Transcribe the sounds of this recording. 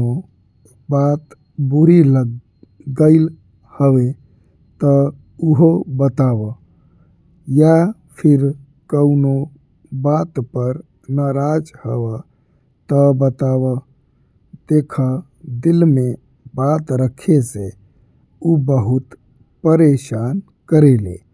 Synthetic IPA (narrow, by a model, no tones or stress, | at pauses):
o | bat̪ | buɾilə | ɡəɪl | həwe | t̪ə | uɦobət̪abə | ja | pʰiɾ | kəʊno | bat̪pəɾ | naɾad͡ʒhəwə | t̪əbət̪abə | d̪̥ekʰə | d̪ilme | bat̪ɾəkʰese | ubəɦut̪ | pəɾeʃan | kəɾelḛ